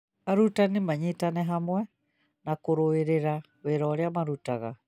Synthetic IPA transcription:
aɾutanimaɲetanɛɦamwɛ | nakoɾoeɾeɾa | weɾɔːɾeamaɾutaɣa

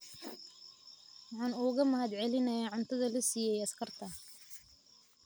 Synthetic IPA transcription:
wɑħɑːnuːɣɐmɐhɐd̪ʕɛlɪnɐjaʕʊnt̪ʰɐðɐlɐsiːjɛjɐskʰɐrt̪ʰɐ

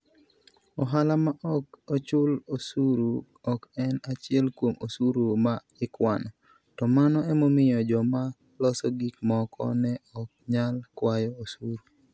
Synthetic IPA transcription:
ɔɦalamaʔɔkot͡ʃʊlosuɾu | ɔkɛnat͡ʃɪɛlkwomosuɾuma | ɪkwanɔ | tɔmanɔɛmomɪjɔd͡ʒɔma | lɔsɔɡikmɔkʰɔ̰nɛɔk̚ɲalkwajɔosuɾu

